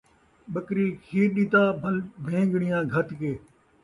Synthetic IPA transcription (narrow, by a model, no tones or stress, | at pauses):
ɓəkɾiːkʰiːɾɗiːt̪aːbʱlbʱẽːɡɽɪjãːɡʱət̪keː